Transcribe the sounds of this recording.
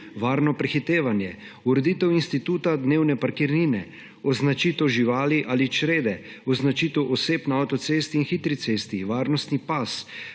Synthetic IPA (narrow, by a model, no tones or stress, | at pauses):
ʋaːɾnɔpɾɛxit̪eːʋanjɛ | uɾɛd̪it̪ɛwinst̪it̪uːt̪ad̪neːwnɛpaɾkiɾniːnɛ | ɔznat͡ʃiːt̪ɛwʒiʋaːliʔalit͡ʃɾeːd̪ɛ | ɔznat͡ʃiːt̪ɛwʔɔseːpnaawt̪ɔt̪seːst̪iːnxit̪ɾit̪seːst̪iʋaːɾnɔst̪nipas